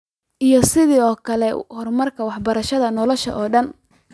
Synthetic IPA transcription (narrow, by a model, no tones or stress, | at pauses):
ʔijɔsɪðiːɔːkʰɐlɛhɔrmɐrkʰɐwɑħbɐɾɐʃɐðɐnɔlɔʃɐ̰ʔɔːɖɐn